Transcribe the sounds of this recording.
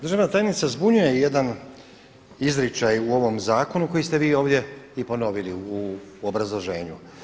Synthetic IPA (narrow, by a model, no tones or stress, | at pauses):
d̪ɾr̩ʒaʋnat̪aːjenit̪sazbuɲujeje̞d̪an | izɾit͡ʃajuo̞ʋo̞mzaːko̞nuko̞jist̪e̞ʋiːo̞ːʋd̪je̞ipo̞no̞ʋiliuobɾazlˠoʒe̞ːɲu